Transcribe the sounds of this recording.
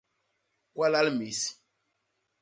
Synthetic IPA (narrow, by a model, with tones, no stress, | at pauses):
kwa˦la˦lmi˨s